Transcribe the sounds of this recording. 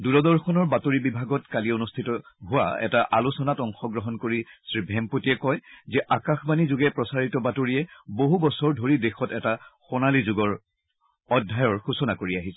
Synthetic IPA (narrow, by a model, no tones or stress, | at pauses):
duɾɔdɔɹxʰɔnɔɹbatoɹibibʱaɡɔtkalionustʰitɔɦʊwa̰ɛ̰taʔalusɔnatɔŋxɔɡɹɔɦɔnkoɹisɹibʱɛmpotiɛkɔjzɛʔakaxbanizʊɡɛpɹɔsaɹitɔbatoɹiɛboɦubɔsɔɹdʱoɹidexɔtɛtaxɔnalizʊɡɔɹ | ɔdʱːajɔɹxusɔnakoɹiaɦisɛ̥